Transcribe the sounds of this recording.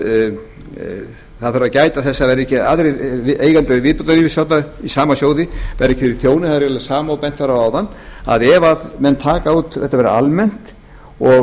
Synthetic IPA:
θaðfɛɾacaːjt̪aθɛsːavɛɾɛhcːɪaðɾeeːjɣant̪ɛvɪːðput̪aliːvɪsjat̪naisaːmasjoːwðɪvɛɾɛhcːɪfɪɾit̪ʰjoːwnɪθaðɛɾɾlsaːmawpɛn̥t̪faɾawaːwðanːa̰ðɛvaðmɛnːt̪ʰaːkauːt̪θɛht̪ːavɛɾ̰a̰lmɛn̥t̪ | ɔ

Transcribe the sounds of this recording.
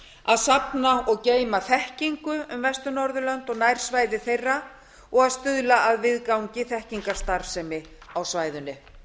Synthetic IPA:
aðsapnaɔɣceːjmaθɛhciŋkʏʏmvɛst̪ʏɾnɔɾðʏlœnt̪ɔɣnajɾ̥svaːjðɪθejrːa | ɔɣaðst̪ʏðlaʔaðvɪðkawɲcɪθɛhciŋkaɾ̥st̪aɾsɛmɪ | awsvaːjðʏnːɪ

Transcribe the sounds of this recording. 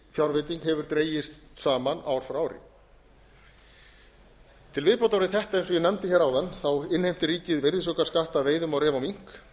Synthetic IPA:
θjawɾvet̪iŋkhɛvʏɾ̥t̪ɾeːjɪstt̪saːmana̰wɾ̥fɾaːwɾɪ̰ | t̪ʰɪlvɪðpɔwt̪awɾɪθɛht̪aejnsɔjɛnɛmt̪ɪçɛːɾawðanːθawɪnhejm̥t̪ɪriːcɪðvejɾðɪsɔkḁskaht̪aveːjðʏmawɾɛːvawmiŋ̥k

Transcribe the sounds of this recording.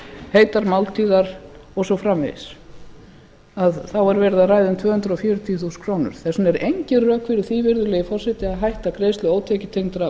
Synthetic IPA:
heːjt̪aɾmawlt̪ʰiːðaɾ̥ɔsɔfɾamɪ̰ðɪ̰s | aðθawaɾvɛːɾɪðaraːjðʏnt̪ʰvœːhʏnt̪ɾɔfjœːɾʏt̪ʰiθuskʰɾoːwnʏ̰ɾ̥θɛsʏnɛɾejɲcɪrœːkvɪɾɪθiːvɪɾðʏlɛjɪfɔr̥sɛt̪jaaðɦajht̪akɾeːjst̪lʏoːwt̪ʰɛcɪt̪ʰejŋt̪ɾa

